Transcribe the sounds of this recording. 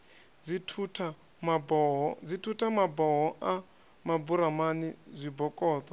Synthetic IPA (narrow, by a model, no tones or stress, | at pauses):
d͡zitʰutʰa | mabɔɦɔd͡zitʰutʰamabɔɦɔʔa | mabuɾamanizʷibɔkʼɔːt̪ʼɔ